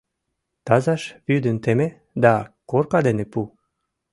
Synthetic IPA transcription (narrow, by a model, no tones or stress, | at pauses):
t̪ɑzɑʃβyd̪ənt̪eme | d̪ɑkorkɑd̪enepu